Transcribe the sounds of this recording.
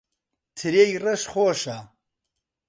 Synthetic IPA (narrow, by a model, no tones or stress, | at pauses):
t̪ʰɨɾejrɐʃχoːʃa